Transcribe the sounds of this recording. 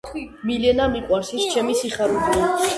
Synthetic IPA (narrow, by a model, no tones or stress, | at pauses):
milɛnamiqʼwaɾʃist͡ʃʰɛmisiχaɾud̪i